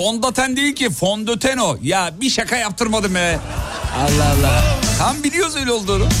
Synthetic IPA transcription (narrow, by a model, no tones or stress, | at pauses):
ond̪at̪ʰænd̪eilʲcifond̪øt̪ʰænojabiʃakʰajap̚t̪ʰɯɾmad̪ɯmɛ | a̰lˠːaɦalˠːat̪ʰambilʲijosuilʲjozd̪od̪u